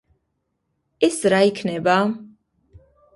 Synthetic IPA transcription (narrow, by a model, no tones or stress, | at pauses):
ɛsɾaikʰnɛba